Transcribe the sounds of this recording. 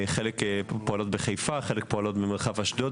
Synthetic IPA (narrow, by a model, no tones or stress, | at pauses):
χelekpoalo̞tbeχejfaχelekpoalo̞tbemeʁχavhaʃdo